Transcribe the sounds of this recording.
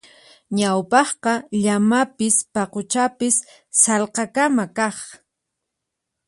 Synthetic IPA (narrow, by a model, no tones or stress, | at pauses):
ɲawpɑχqɑʎamapɪspɑqʊt͡ʃapɪsː | ɑlqɑkamakɑχ